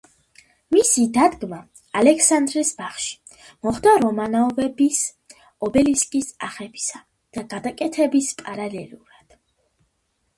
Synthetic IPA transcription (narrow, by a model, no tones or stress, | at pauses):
misid̪ad̪ɡma | alɛkʰsand̪ɾisbaχʃi̥ | mɔχd̪aɾɔmanaɔvɛbis | ɔbɛliskʼisa̰χɛbi̥sa | d̪̥aɡad̪akʼɛt̪ʰɛbispʼaɾalɛluɾad̪̥